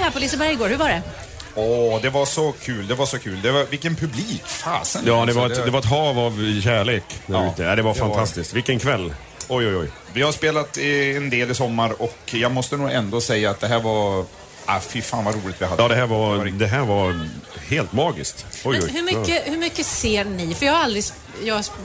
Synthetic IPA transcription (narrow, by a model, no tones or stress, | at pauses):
hæːɾpʰɔlɪsəbɛɾjɡoːɾhɵvadɛ | ɔd̪ɛvaʂɔkʰʉːld̪ɛvaʂɔkʰʉːld̪ɛvavɪlkːənpʰɵbliːkfa̰ːsənjɑːd̪ɛvaɾɛt̪ɛvaɾɛt̪ɦɑːvavɕæːɭeːkd̪æɾʉːt̪əɛd̪ɛvaɾfant̪ʰast̪ɪskt̪vɪlkːənkʰvɛlː | ɔjɔjɔj | vɪhaɾspeːlat̪ɛnd̪eːlɪsɔmːaɾɔkjɑːɡmɔst̪ənuːɡɛnd̪oːsɛjːaːt̪̚d̪ɛɦæːɾva | ʔafɪɾfaːnvaɾuːlɪt̪vɪad̪ɑːd̪ɛɦæːɾvaɾd̪ɛɦæːɾvaɾheːlt̪mɑːɡɪ̰skt̪ɔjɔhɵmʏəhɵmʏkːəseːɾnɪfœjɑːhaɾald̪ɾɪs | jɑs